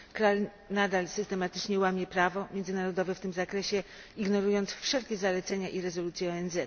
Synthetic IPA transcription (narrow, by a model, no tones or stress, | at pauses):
kɾal | nad̪alsɘst̪ɛmat̪ɘ̥t͡ʂɲɛwamʲjɛpɾavɔmʲjɛndzɘnaɾɔd̪ɔvɛft̪ɘmzakɾɛɕɛ | iɡnɔɾujɔnt̪sfʂɛlkʲɛzalɛt̪sɛɲaʔiɾɛzɔlut̪sʲjɛɔɛnzɛt̪